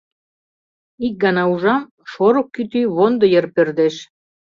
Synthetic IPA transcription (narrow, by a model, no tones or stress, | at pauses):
ik̚ɡɑnɑuʒɑm | ʃoɾokːyt̪yβond̪ɤ̆jərpørd̪eʃ